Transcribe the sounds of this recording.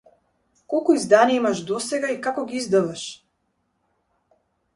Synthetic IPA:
kolˠkoizd̪aːniimaʃd̪oseɡaikakoɡiizd̪aʋaʃ

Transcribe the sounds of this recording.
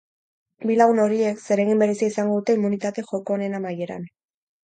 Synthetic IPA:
bilaɣuno̞ɾie̞kse̞ɾe̞ɣimbe̞ɾe̞siaisaŋɡo̞ðut̪e̞imunit̪at̪e̞xo̞ko̞ːne̞namaje̞ɾa̰n

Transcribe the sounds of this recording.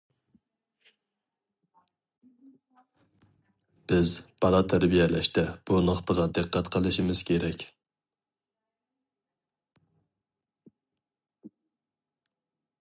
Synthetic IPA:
b̥ɪzb̥ɑlˠɑt̪ʰæɾbijɛlɛʃt̪ɛb̥unəχt̪ʰəʁɑd̪ɨqʰːæt̪qʰəlˠɨʃimɪz̥kʲʰeɾɛkʲ

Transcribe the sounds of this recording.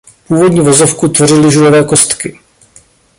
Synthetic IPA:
puːvo̞dɲiːvozofkut̪vorɪlɪʒulovɛːko̞st̪kɪ

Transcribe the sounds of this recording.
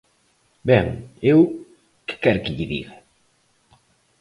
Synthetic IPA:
bɛŋew | kɪ̥kɛɾkɪʎiðḭɣa

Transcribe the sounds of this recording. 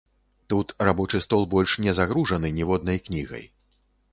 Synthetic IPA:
t̪ut̪rabɔt͡ʂɨst̪ɔlˠbɔlʲʂnʲɛzaɣɾuʐɐnɨnʲivɔd̪̚nɐjknʲiɣɐ̰j

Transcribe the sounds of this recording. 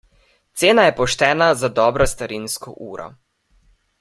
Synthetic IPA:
t̪seːnajɛpɔʃt̪ɛːnazad̪ɔːbɾɔst̪aɾinskɔ̰ʔuːɾɔ̰

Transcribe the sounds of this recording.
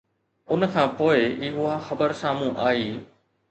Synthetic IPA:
ʊnəkʰãːpoːɪɪɦʊɦaxɐbəɾsaːmũʔaːiː

